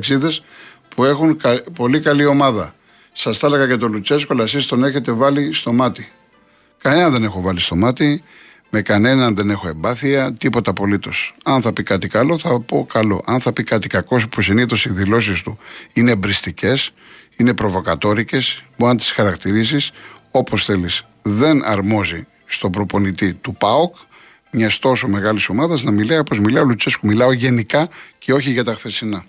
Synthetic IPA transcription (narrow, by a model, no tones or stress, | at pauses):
ksiðe̞s | pue̞xunpo̞likɐlio̞mɐðɐ | sɐsθɐlɐɣɐcet̪o̞lut͡sesko̞lɐsist̪o̞ne̞çe̞t̪e̞vɐlist̪o̞mɐt̪i | kɐne̞nɐnðe̞ne̞xo̞vɐlist̪o̞mɐt̪i | me̞kɐne̞nɐnðe̞ne̞xo̞e̞mbɐθiɐt̪ipo̞t̪ɐpo̞lit̪o̞sɐnθɐpikɐt̪ikɐlo̞θɐpo̞kɐlo̞̰ʔɐnθɐpikɐt̪i̥kɐko̞spusiniθo̞siðilo̞s̬ist̪uinebɾist̪ice̞s | ine̞pɾo̞vo̞kɐt̪o̞ɾice̞spuɐnt̪i̥sxɐɾɐkt̪iɾis̬iso̞po̞sθe̞lis | ðe̞nɐ̰ɾmo̞zi | st̪o̞bɾo̞po̞nit̪it̪upɐok | ɲɐst̪o̞so̞me̞ɣɐliso̞mɐðɐznɐmilɐiopozmilɐolut͡seskumilɐo̞ʝe̞nikɐce̞o̞çiʝɐt̪ɐxθe̞sinɐ